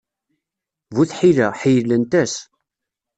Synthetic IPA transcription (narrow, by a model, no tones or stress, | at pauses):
vuθħiləħijəlːənt̪æs